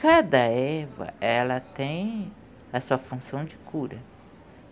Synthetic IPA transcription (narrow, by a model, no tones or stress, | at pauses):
kad̪ɐɛvɐ̰ɛlɐt̪ẽj̃ | ɐsuɐfũsɐ̃w̃d͡ʒɪkuɾɐ